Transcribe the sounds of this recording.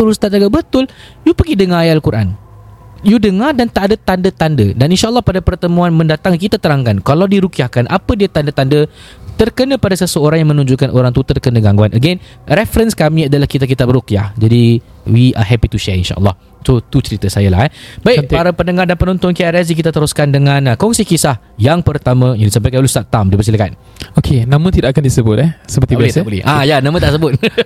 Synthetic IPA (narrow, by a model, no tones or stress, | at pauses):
t̪uɾust̪at̪aɡabət̪ʊljupəɡidəŋajalkuɾʔa̰n | judəŋadant̪aʔadət̪andət̪andədaninʃaʔəlːɑhpadapərt̪əmũanmə̃ndat̪aŋkit̪at̪əɾaŋkankalawdiɾukiahkanʔa̰pədiat̪andət̪andə | t̪ərkənə̃padasəsəoɾaŋjãŋmə̃nũɲd͡ʒuʔkanʔoɾaŋt̪ut̪ərkənə̃ɡaŋɡuanʔəɡɛn | rɛfɾənskamĩadalahkit̪aʔk̬it̪ap̚ɾukia̰hd͡ʒadi | wiʔa̰ɦɛpit̪uʃɛinʃa̰ʔə̰lˠːɔ̰h | sot̪ut͡ʃəɾit̪əsajəla̰hɛbaikt̪paɾapənəŋardanpənɔ̃nt̪ɔnkiaɾaz̬ik̬it̪at̪əɾuskandəŋãnakɔŋsikisah | jaŋpərt̪amãjanisampakalust̪at̪ːamdiəbəs̬iləka̰n | okʰenãmə̃t̪idaʔakandisəbʊt̪̚ɛsəpərt̪ibbasabolɛ̰ʔajanãmə̃t̪aʔsəbʊt̪̚